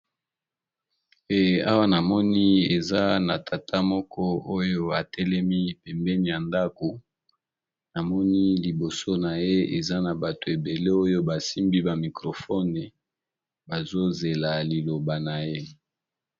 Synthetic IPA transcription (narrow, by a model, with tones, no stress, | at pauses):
e˨a˦wa˦na˨mɔ˦ni˦e˨za˦na˨tʰa˨tʰa˦mɔ˦kʰɔ˦o˦jo˦a˨tɛ˦lɛ˦mi˦˨pɛ˨mbɛ˦ni˨ja˨nda˦ko˨ | na˨mɔ˦ni˦li˨bo˨so˦na˨je˦e˨za˦na˨ba˨to˨e˨be˨le˦o˦jo˦ba˨si˦mbi˦ba˨mi˨kʁo˨fɔ˦ne˨ | ba˨zo˦ze˨la˨li˨lo˨ba˨na˨je˦